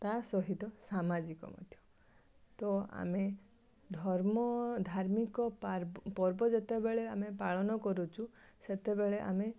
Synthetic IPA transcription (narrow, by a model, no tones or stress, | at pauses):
t̪asɔɦit̪ɔsamad͡ʒikɔ̰mɔ̰d̪ʱjɔ̥ | t̪ɔa̰me | d̪ʱɔɾmɔd̪ʱaɾmikɔpɔɾbɔd͡ʒet̪ebeɭeamepaɭɔnɔkɔɾut͡ʃʰuset̪ebeɭeʔa̰me